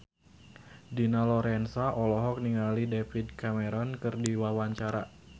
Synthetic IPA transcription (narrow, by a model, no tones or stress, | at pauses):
dinalɔɾɛnsaʔɔlɔɦɔk̚niŋalidefidkamɛɾɔnkɨrdiwawaɲt͡ʃaɾa